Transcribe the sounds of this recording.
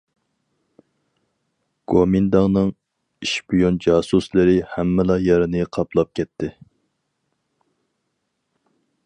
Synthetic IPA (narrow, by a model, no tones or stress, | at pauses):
ɡ̥omind̪ɑŋnɨŋ | iʃbijond͡ʒɑːsuslɪɾɪhɛmːɪlɑjɛɾɪnɨqʰɑplˠɑp̚kʲɛt̪ʰːɪ